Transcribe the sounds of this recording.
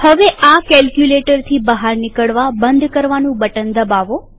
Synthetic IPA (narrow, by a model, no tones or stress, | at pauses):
həʋeʔakɛlkjuleʈəɾt̪ʰibəɦaɾnɪkəɽʋabənd̪ʱkəɾʋanũbəʈənd̪əbaʋo